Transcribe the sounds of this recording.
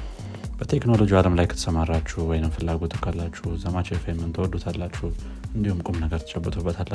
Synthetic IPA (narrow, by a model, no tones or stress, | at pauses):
bət̪ʰe̞kno̞lo̞d͡ʒialəmlajkʰɨt̪ʰə̥səmarːat͡ʃːuwɔjnɨmfɨlːaɡo̞t̪ʰɨkʰːalːat͡ʃːuzəmat͡ʃɛfəjɛmːɨnt̪ʰəwɔd̪ut̪ʰalːat͡ʃːɛh | ɨnd̪ihumkʼumnəɡəɾt̪ə̥t͡ʃʼɛbːət̪ʰubːət̪ʰalːə